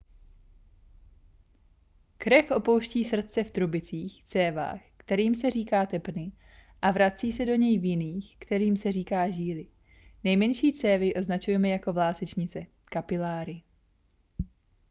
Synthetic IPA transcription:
kɾɛfʔo̞po̞wʃciːsr̩t̪̚t͡sɛft̪ɾubɪt͡siːxt͡sɛːva̰ːxkt̪ɛɾiːmsɛriːkaːt̪ɛpnɪ | ʔavɾat͡siːsɛdo̞ɲɛjvjɪniːxkt̪ɛɾiːmsɛriːkaːʒiːlɪ | nɛjmɛnʃiːt͡sɛːvɪʔoznat͡ʃujɛmɛjako̞vlaːsɛt͡ʃɲɪt͡sɛ | kapɪlaːɾɪ

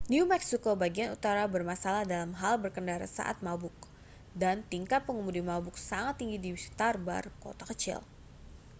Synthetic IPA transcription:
njumɛksikobaɡianut̪aɾabərmasalahdalamɦalbərkəndaɾa̰sa̰ʔa̰t̪̚mabʊk̚ | dant̪iŋkat̪̚pəŋəmudimabʊk̚saŋat̪ːiŋɡidiwisi̥t̪arba̰rko̰t̪akət͡ʃɪ̰l

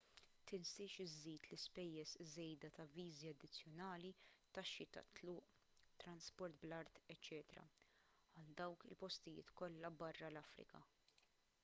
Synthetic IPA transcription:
t̪ɪnsɪʃɪzːiːt̪lɪspɛjːɛszɛjd̪ɐt̪ɐviːziɐd̪ːɪt͡sːjɔnɐːlit̪ɐʃːit̪ɐ̰t̪ːlʊːʔ | t̪ɾɐnspɔɾt̪blɐɾt̪ɛt͡ʃːɛːt̪ɾɐ̰ | ɐld̪ɐwkɪ̰lpɔst̪ɪjɪ̰ːt̪kɔlːɐbɐrːɐlɐfɾɪ̰kɐ̰

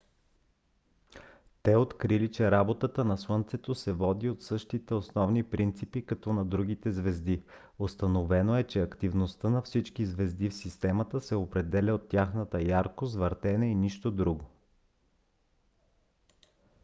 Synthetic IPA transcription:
t̪ɛot̪kɾilit͡ʃɛɾabot̪ət̪ənɐswənt̪sɛt̪osɛvɔd̪iot̪sɤʃt̪it̪ɛosnɔvnipɾint̪sipikɐt̪ɔnɐd̪ɾuɡ̟it̪ɛzvɛzd̪i | ost̪ɐnovɛnoɛt͡ʃɛɐkt̪ivnost̪ənɐfsit͡ʃkizvɛzd̪ifsist̪ɛmət̪əsɛopɾɛd̪ɛlʲəot̪ːjaxnət̪əjaɾkozvəɾt̪ɛnɛiniʃt̪od̪ɾuɡo

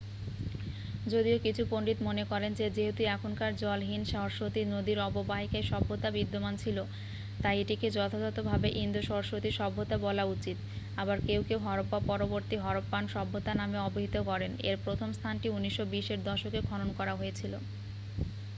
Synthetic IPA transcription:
d͡ʑod̪iokit͡ɕʰupoɳɖit̪monekɔɾend͡ʑed͡ʑeɦet̪uɛkʰonkaɾd͡ʑɔlɦinʃaɦoɾʃot̪inod̪iɾɔbobaɦikeʃɔbʱːot̪abid̪ːomant͡ɕʰilo | t̪ajeʈiked͡ʑɔt̪ʰod͡ʑɔt̪obʱabeʔind̪oʃɔɾoʃot̪iʃɔbʱːot̪abɔlaut͡ɕit̪ | abaɾkewkewɦɔɾopːapɔɾoboɾt̪iɦɔɾopːanʃɔbʱːot̪anameɔboɦit̪okɔɾenḛɾpɾot̪ʰomst̪ʰanʈiunːiʃːobiʃeɾd̪ɔʃokekʰɔɾonkɔɾaɦojet͡ɕʰilo̰

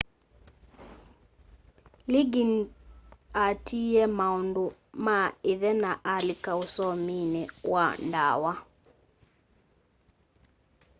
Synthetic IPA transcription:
liɡin | atʰiɛmaondo | maeðɛnaʔalikausɔminɛwanda̰wa

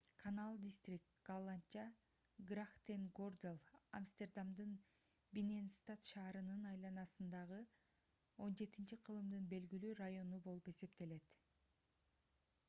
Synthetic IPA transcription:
kʰanalˠd̪ʲist̪rʲik̚t̪ɡ̥alˠant͡ʃa | ɡraχt̪enɡord̪ʲelˠa̰mst̪e̞rd̪amd̪ɯn | bʲinenst̪at̪ʃɑːɾɯnɯnɑjlˠɑnɑsɯnd̪ɑʁɯ | o̞nd͡ʒe̞t̪int͡ʃiqʰɯlˠɯmd̪ɯnbe̞lɡilyːrajo̞nubo̞lˠupe̞se̞pt̪e̞le̞t̪

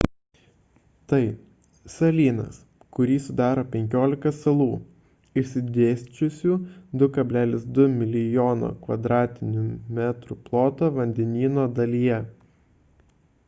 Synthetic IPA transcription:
t̪ɐɪ | sɐlʲiːnɐ̰s | kʊɾʲiːsʊd̪ɑːɾoːpʲɛŋʲkʲoːlʲɪkɐsɐlˠuː | ɪʃʲsʲɪd̪ʲeːsʲt͡ʃʲʊsʲuːd̪ʊkɐbʲlʲæːlʲɪsd̪ʊmʲɪlʲɪjoːno̰ːkʋɐd̪ɾɑːt̪ʲɪnʲʊmʲæt̪ɾʊplˠoːt̪oːʋɐnʲd̪ʲɛnʲiːnoːd̪ɐlʲijɛ

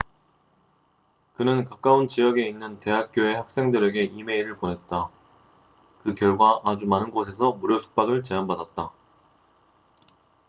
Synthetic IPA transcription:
kɯnɯnkak͈aunt͡ɕiʌɡe̞inːɯnte̞ɦak̚k͈joe̞hak̚s͈e̞ŋdɯɾe̞ɡe̞ʔime̞iɾɯɭponɦe̞t̚t͈a | kɯkjʌɭɡwaʔad͡ʑumanɯnɡosʰe̞sʰʌmoɾjʌsʰu̥k̚p͈aɡɯɭt͡ɕe̞anbadat̚t͈a

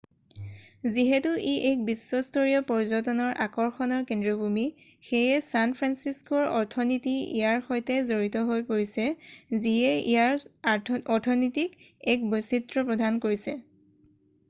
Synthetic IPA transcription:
ziɦɛtuʔiʔɛk̚bisːɔstʰoɹijɔpɔɹzɔtɔnɔɹʔakɔɹxɔnɔɹkendɹɔbʱumi | xejɛsanpʰɹansiskɔɹɔ̰ɹtʰɔnitiḭjaɹxojtɛzoɹitɔɦojpoɹisɛziɛḭjaɹ | ɔtʰɔnɔtik | ɛk̚bositɹɔpɹɔdʱankoɹisɛ

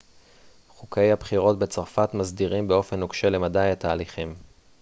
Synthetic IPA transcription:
χuke̞jhabχiʁo̞tbe̞t͡saʁfat̪mazdiʁimbe̞o̞fe̞nokʃele̞madajat̪aːliχim

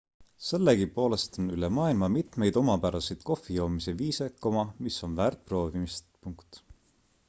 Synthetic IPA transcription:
se̞lːeɡipo̞ːle̞st̪o̞nylemɑːilmɑmit̪me̞jd̪̥o̞mɑpæɾɑsejd̪̥ko̞fːijo̞ːmise̞viːsekːˑomɑmiso̞nvæːrt̪̚pro̞ːvimist̪puŋkt̪

